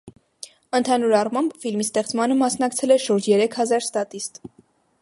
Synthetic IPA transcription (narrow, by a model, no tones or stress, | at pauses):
ənt̪ʰɑnuɾɑrmɑmbfilmist̪ɛχt͡smɑnəmɑsnɑkt͡sʰɛlɛʃuɾd͡ʒjɛɾɛkʰhɑzɑɾst̪ɑt̪ist̪